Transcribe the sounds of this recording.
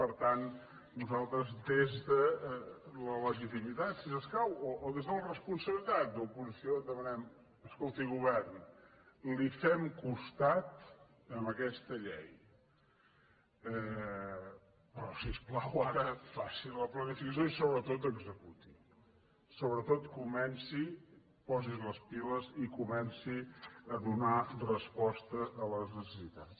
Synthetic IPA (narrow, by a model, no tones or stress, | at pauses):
pəɾt̪an | nuzalˠt̪ɾəzd̪ezðə | lələʒit̪̬imit̪at̪sisəskawoʔːðezðələrəspunsəβlit̪at̪̚d̪əupuzisiod̪əmənɛm | əskolˠt̪iɣuβɛrn | lifɛmkust̪at̪ | əmbəkɛst̪əʎɛj | ɛ | pɾɔsisplawaɾəfasiləplənifikəsjoisoβɾət̪ot̪əɡzəkut̪i | soβɾət̪ot̪kumɛnsi | pɔzizləspiləzikumɛnsiəðunarəspɔst̪əələznəsəsit̪at